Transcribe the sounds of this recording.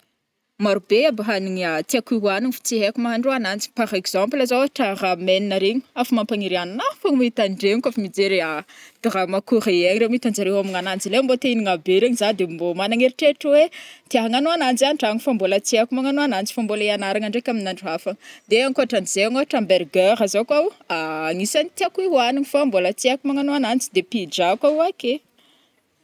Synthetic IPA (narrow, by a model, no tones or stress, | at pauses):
maɾubeabaɦaniŋat̪iakuɦuaniŋfi̥t͡siɦekumaɦaɳɖ͡ʐuanant͡si̥paɾekz̥amplazaaɦaʈ͡ʂarameninaɾeɲi̥afamampaŋiɾiannakaŋmit̪anɳɖ͡ʐeŋikafimid͡zeɾead̪̥aɾamakuɾaaɲiɾeumiit̪and͡ʒaɾewamiŋanand͡zilembot̪einiŋabeɾeɲizad̪embomanaŋeɾiʈ͡ʂeʈ͡ʂəwet̪iaɦaŋanoanand͡zaniʈ͡ʂaŋifambolat͡seakumaŋanoanant͡si̥fambolaianaɾaŋaɳɖ͡ʐekʲaminaɳɖ͡ʐuafaŋəd̪eaŋkoaʈ͡ʂaniz̥eaŋoɦaʈ͡ʂamberɡeɾazakaaːŋisanit̪iakiɦuaniŋifambolat͡seakumaŋanoanant͡si̥d̪epid͡ʒakaake